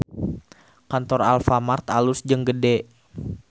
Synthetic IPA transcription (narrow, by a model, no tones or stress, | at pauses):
kant̪ɔralfamart̪alusd͡ʒəŋɡədɛ